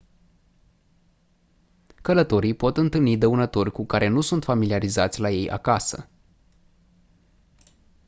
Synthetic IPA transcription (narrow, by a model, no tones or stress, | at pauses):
kələt̪o̞ɾijpo̞t̪ɨnt̪ɨlnid̪əunət̪o̞rʲkukaɾʔe̞nusunt̪familiaɾizat̪sʲlaje̞jʔa̰kasə̰